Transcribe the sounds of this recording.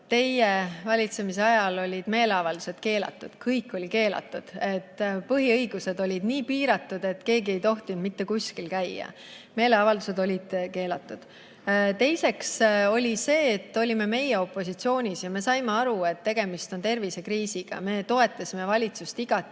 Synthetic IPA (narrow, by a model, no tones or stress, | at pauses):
t̪e̞jevɑlʲit̪se̞mis̬e̞ɑjɑlo̞lʲid̪̥me̞ːle̞ɑvɑld̪use̞d̪̥ke̞ːlɑ̰t̪ːˑud̪̥kʰɤjkːˑolʲike̞ːlɑ̰t̪ːˑud̪̥e̞t̪ːpɤɦiɤjɡ̥use̞d̪o̞lʲid̪niːpiːɾɑt̪ːˑud̪̥e̞t̪ke̞ːɡie̞jt̪o̞ht̪und̪mit̪ːe̞kusʲkilkæjɑ̰ | me̞ːle̞ɑvɑld̪use̞d̪o̞lʲid̪̥ke̞ːlɑt̪ːˑud̪̥ | t̪e̞jse̞kso̞lʲise̞ːt̪ːˑo̞lʲime̞me̞jeo̞pˑːo̞sit̪sio̞ːnʲisjɑme̞sɑjmeɑɾue̞t̪ːe̞ɡ̥e̞mist̪o̞nt̪e̞rvise̞kriːsiɡ̥ɑ̰me̞t̪o̞e̞t̪ˑːɑsʲimevɑlʲit̪sust̪iɡ̥ɑt̪ː